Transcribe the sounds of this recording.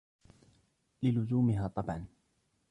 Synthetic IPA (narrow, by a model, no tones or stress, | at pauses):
lɪlʊzuːmɪɦaːt̪ˤɑbʕɑn